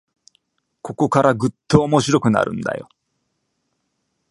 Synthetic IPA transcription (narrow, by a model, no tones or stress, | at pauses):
ko̞ko̞kaɾʔaɡɯ̟t̪ːoːmo̞ɕiɾo̞kɯ̟na̰ɾɯ̟̰̃nd̪a̰jo̞̰